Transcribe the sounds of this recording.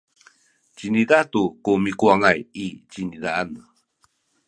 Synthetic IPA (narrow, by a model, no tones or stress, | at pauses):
t͡ɕinidatukumikuaŋajit͡ɕinidaana